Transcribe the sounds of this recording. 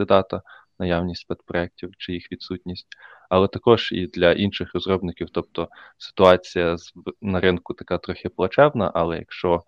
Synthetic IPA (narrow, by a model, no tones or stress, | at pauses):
ɪd̪ɑt̪ɐnɐjawnʲisʲtʲsʲpɛt̪pɾɔɛk̚tʲiwt͡ʃɪjixʋʲid̪sutʲnʲisʲttʲɐlˠɛt̪ɐkɔʒ̥ḭd̪lʲɐʔinʃɪxrɔzrɔbnɪkʲiwt̪ɔp̚t̪ɔsɪ̥t̪ʊɑt͡sʲijɐznɐɾɪnkʊt̪ɐkɑt̪ɾɔxʲɪplˠɐt͡ʃɛwnɐ̰ʔɐlˠɛjɐ̰kʃt͡ʃɔ